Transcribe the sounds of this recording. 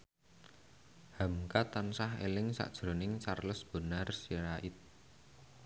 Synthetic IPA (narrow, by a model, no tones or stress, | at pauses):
hamkat̪ansaɦḛlɪŋsa̰ʔd̥ʒ̥ɾo̤nɪŋt͡ʃarləsb̥ə̤narsiɾaʔɪt̪̚